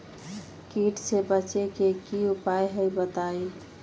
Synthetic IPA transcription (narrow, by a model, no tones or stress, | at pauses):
kiʈsebət͡ʃekekiupajɦəjbət̪aj